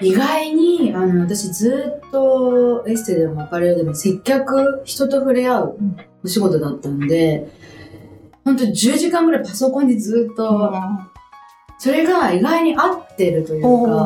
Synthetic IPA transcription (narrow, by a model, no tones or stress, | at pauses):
iɡaiɲ̟iano̞β̞at̪aɕid͡zɨːt̪ːo̞esɨ̥t̪ed̪emoapaɾeɾod̪emose̞kʲːakɯ̟çi̥t̪o̞t̪o̞ɸɯ̟ɾe̞aɯ̟ | oɕiɡo̞t̪o̞d̪at̪ːanod̪e̞ | hõ̞nt̪̬oɲd͡ʑɨːʑikãŋɡɯɾaipaso̞kõ̞ɲ̟ːid͡zɨːt̪ːo̞ | so̞ɾe̞ɡaiɡaiɲ̟iʔat̪ːe̞ɾɯ̟t̪o̞jɯːka